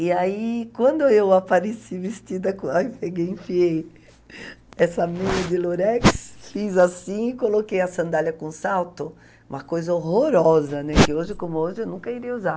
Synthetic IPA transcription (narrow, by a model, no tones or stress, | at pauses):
ɪaikwɐ̃nd̪ʊewapaɾesivɪst͡ʃid̪ɐkõaipeɡejĩfiej | ɛsɐmĩjɐd̪ɪloɾɛksfizasĩɪkolokejɐsɐ̃nd̪alɐkõsawt̪ʊ | ũmɐkojzɐohoɾɔzɐnɛkɪoʒɪkõmʊoʒɪewnũŋkɐiɾiɐuzaɾ